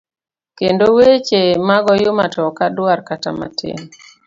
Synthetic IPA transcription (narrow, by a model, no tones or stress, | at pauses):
kendowet͡ʃemaɡɔjʊmatɔkadwarkata̰ma̰tʰɪ̰n